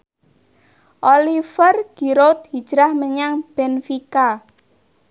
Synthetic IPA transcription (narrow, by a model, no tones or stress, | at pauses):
ʔolifərɡ̥i̤ɾot̪̚hid̥ʒ̥ɾahməɲaŋb̥ɛnfika